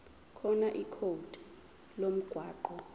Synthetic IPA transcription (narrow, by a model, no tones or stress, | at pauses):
kʰɔnaʔikʰod̥ʱ | lom̩ɡ̥ʱwaːǃɔ